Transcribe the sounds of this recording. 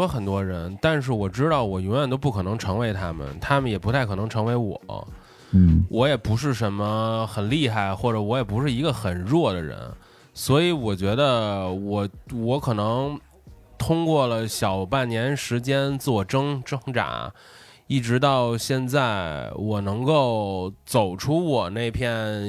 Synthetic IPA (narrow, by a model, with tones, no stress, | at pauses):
ɔ˥xə˨˩nt̪wɔ˥ɻə˧˥nt̪a˥˧nʂ̬ɻ̩˥˩wɔ˨˩ʈ͡ʂɻ̩˥t̪ɑ˥˩ʊwɔ˨˩jʊ˧˥ŋɥɛ˨˩nt̪o˥ʊp̬u˥˩kʰɤ˨˩nɤ˧˥ŋʈ͡ʂʰɤ˧˥ŋwe˧˥ɪt̪ʰa˥mə̰˨˩nt̪ʰa˥mə˨˩njɛ˨˩pu˧˥t̪ʰa˥˩ɪkʰɤ˨˩nɤ˧˥ŋʈ͡ʂʰɤ˧˥ŋwe˧˥ɪwɔ̰˨˩˦ | wʔɔ˧˥jɛ˨˩pu˧˥ʂ̬ɻ̩˥˩ʂə˧˥nmə˧xə˨˩nli˥˧xa˥˩ɪxwɔ˥˩ʈ͡ʂɤ˨˧˥wɔ˧˥jɛ˨˩pu˧˥ʂɻ̩˥˩i˧˥ɡə˧xə˨˩nɻwɔ˥˩d̪ə˩ɻə̰˧˥n | swɔ˧˥i˧˥wɔ˨˩t͡ɕɥɛ˧˥d̪ə˧wɔ˨˩wɔ˧˥kʰɤ˨˩nɤ˧˥ŋ | t̪ʰʊ˥ŋkwɔ˥˩lə˩ɕjɑ˨˩ʊpa˥˩nnjɛ˧˥nʂɻ̩˧˥t͡ɕjɛ˥nt͡sɹ̩˥wɔ˥˩ʈ͡ʂɤ˥ŋʈ͡ʂɤ˥ŋʈ͡ʂa̰˧˥ | i˥˩ʈ͡ʂɻ̩˧˥t̪̬ɑ˥˧ʊɕjɛ˥˧nt͡sa˥˩ɪwɔ˨˩nɤ˧˥ŋko˥˩ʊt͡so˨˩ʊʈ͡ʂʰu˥wɔ˨˩ne˥˧ɪpʰjɛ˥˩